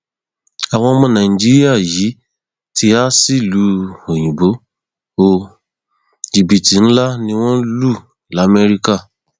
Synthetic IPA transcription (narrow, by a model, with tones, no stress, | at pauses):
a˨w̃ɔ̃˧˦mɔ̃˧˦nã˨ĩ˨d͡ʒi˦ɾi˦a˦˨ji˨˦ | tʰi˧a˦si˦˨lu˦o˨j̃ĩ˨bo˨˦ | o˧ | d͡ʒi˨bi˨ti˨˦n̩˦la˦nĩ˧w̃ɔ̃˦lu˦˨ | la˨˦me˧ɾi˦ka˦˨